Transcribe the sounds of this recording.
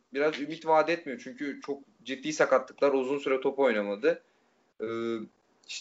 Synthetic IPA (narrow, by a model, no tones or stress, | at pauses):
biɾazymit̪vaːd̪ɛt̪mijo̞t͡ʃʰyɲcʰyt͡ʃʰo̞k̚ | d͡ʒit̪ːiːsakat̪ːɯ̥klˠaɾuzunsyɾɛt̪ʰo̞po̞jnamad̪ɯ | ɯː | iʃ